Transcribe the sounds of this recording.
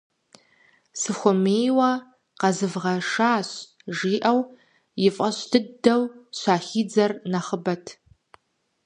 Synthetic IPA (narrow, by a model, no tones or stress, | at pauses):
sɨxʷʊmeːjwɐ | qɐzɨvʁɐʂaːɕ | ʒiːʔɐw | jɪfʼɐɕdʰɨdɐwɕʷaːχiːd͡zɐrnɐχəbɐtʰ